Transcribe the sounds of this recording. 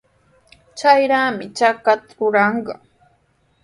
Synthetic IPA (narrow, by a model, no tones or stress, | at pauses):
t͡ʃajɾaːmɪt͡ʃakat̪aɾʊɾɑɴɢɑ